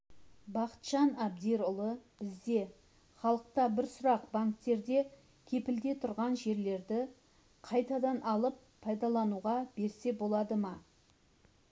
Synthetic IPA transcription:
bɑqə̥t̪ʃɑnɑb̚d̪eɾʊlˠəb̥ɪzd̪e̞ | χɑlˠəq̚t̪ɑbɪɾsʊɾɑqbaŋkt̪ːe̞ɾd̪e̞ | kʲʰe̞pɪld̪e̞t̪ʰʊɾʁɑnʒe̞ɾle̞ɾd̪ɪ | qʰɑjt̪ɑd̪ɑnʔɑlˠəpʰːɑjd̪ɑlˠɑnuʁɑb̥e̞ɾse̞bo̞lˠɑd̪əmɑ

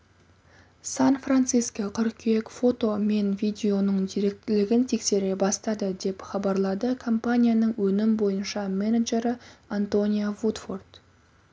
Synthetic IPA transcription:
sanfrant̪sijskaqʰʏɾkʲʰeekfo̞t̪o̞me̞nvʲijd̪ʲe̞o̞nəɴd̪ijɾe̞k̚t̪ɪlɪɡʲɪnt̪ʰe̞kse̞ɾe̞bɑst̪ɑd̪əd̪e̞pχɑbɑɾlˠɑd̪əkʰompanʲijanəɴwɵnɪmbo̞jənʃɑmenaʒe̞ɾɪant̪o̞nʲijovut̪fo̞rt̪

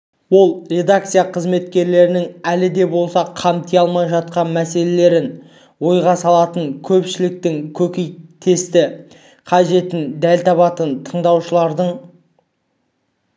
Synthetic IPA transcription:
wo̞lˠɾʲe̞d̪akt̪sɨjaqʰəzme̞t̪kʲe̞ɾle̞ɾɪnɪŋælɪd̪e̞bo̞lˠsɑqʰɑmt̪ʰijɑlˠmɑjʒɑt̪̚qɑnmæse̞le̞le̞ɾɪn | wo̞jʁɑsɑlˠɑt̪əɴkʲʰɵpʃɪlɪk̚t̪ɪŋkʲʰɵkʲejt̪ʰe̞st̪ɪ | qʰɑʒe̞t̪ɪnd̪ælt̪ʰɑβɑt̪ənt̪ʰəɴd̪ɑwʃəlˠɑɾd̪əɴ

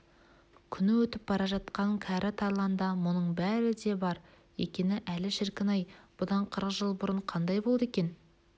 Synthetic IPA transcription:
kʲʰʏnɪwɵt̪ɪp̚bɑɾɑʒɑt̪qɑŋkʲʰæɾʔɪt̪ʰɑɾlˠɑnd̪ɑmʊnəɴbæɾɪd̪e̞bɑɾ | jḛkʲenɪʔælɪʃɪɾkʲɪnɑjb̥ʊd̪ɑɴqʰəɾəqʒəlˠbʊɾəɴqʰɑnd̪ɑjbo̞lˠd̪e̞kʲe̞n

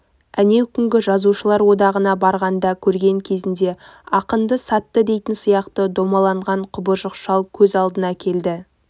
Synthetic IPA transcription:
æne̞wkʲʰʏŋɡʲɪʒɑzuʃəlˠɑɾwo̞d̪ɑʁənɑbɑɾʁɑnd̪ɑkʲʰɵɾɡʲe̞ŋkʲʰe̞zɪnd̪e̞ɑqənd̪əsɑt̪ːəd̪e̞jt̪ɪnsijɑqt̪əd̪o̞mɑlˠɑɴʁɑɴqʰʊbəʒəqʃɑlˠkʲʰɵzɑlˠd̪ənɑkʲʰe̞ld̪ɪ

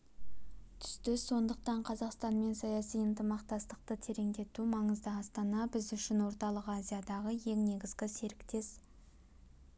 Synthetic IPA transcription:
t̪ʰʏ̥st̪ɪsːo̞nd̪əqt̪ɑɴqʰɑzɑqst̪ɑnme̞nsɑjɑsijənt̪əmɑqt̪ɑst̪əq̚t̪ət̪ʰe̞ɾe̞ŋd̪e̞t̪umɑɴəzd̪əɑst̪ɑnɑbɪzʏʃɪnwo̞ɾt̪ɑlˠəqazʲijad̪ɑʁəje̞ŋne̞ɡʲɪzɡʲɪse̞ɾɪkt̪e̞s

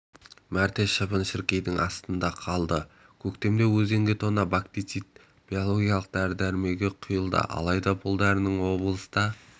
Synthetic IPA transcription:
mæɾt̪eʃəbənʃɪɾkʲe̞jd̪ɪŋʔɑ̰st̪ənd̪ɑqʰɑlˠd̪ə | kʲʰɵkt̪e̞md̪e̞wɵze̞ŋɡʲɪt̪ʰo̞nɑbakt̪isit̪̚ | b̥ijo̞lˠo̞ɡʲijɑlˠəq̚d̪æɾd̪æɾme̞ɡʲeqʰʊjəlˠd̪ə̰ʔɑ̰lˠɑjd̪ɑbʰʊlˠd̪æɾnəɴwo̞blˠəsd̪ɑ

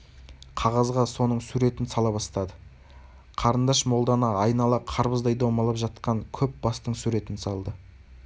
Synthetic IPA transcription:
qʰɑʁɑzʁɑso̞nəɴsuɾe̞t̪ɪnsɑlˠɑβɑst̪ɑd̪ə | qʰɑɾənd̪ɑʃmo̞lˠd̪ɑnɑːjnɑlˠɑqʰɑɾbəzd̪ɑjd̪owmɑlˠɑpʒɑt̪̚qɑŋkʲʰɵp̚bɑst̪əɴsuɾe̞t̪ɪnsɑlˠd̪ə

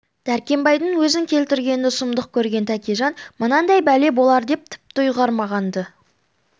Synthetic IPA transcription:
t̪ʰæɾkʲe̞mbɑjd̪əŋwɵzɪŋkʲʰe̞lt̪ɪɾɡʲe̞nɪʊsəmd̪əq̚kʲʰɵɾɡʲe̞nt̪ʰækʲeʒɑnmənɑnd̪ɑjbæle̞bo̞lˠɑɾd̪e̞p̚t̪ʰɪ̥p̚t̪ʊjʁɑɾmɑʁɑnd̪ə

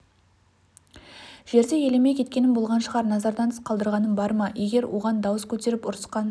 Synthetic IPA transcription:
ʒ̥e̞ɾd̪e̞je̞le̞mejkʲʰe̞t̪̚kʲe̞nɪnbolˠʁɑnʃəʁɑɾnɑzɑɾd̪ɑnʰə̥sqʰɑlˠd̪əɾʁɑnənbɑɾmɑje̞ɡʲe̞ɾwʔo̞̰ʁɑnd̪ɑwəskʲʰɵt̪e̞ɾɪpʊɾsə̥qɑn

